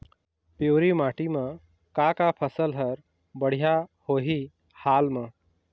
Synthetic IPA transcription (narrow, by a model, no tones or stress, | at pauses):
poːɾimaːʈimə̃ | kakapʰəsəlɦəɾ | bəɽ̤ijahoɦi | haːlmə̃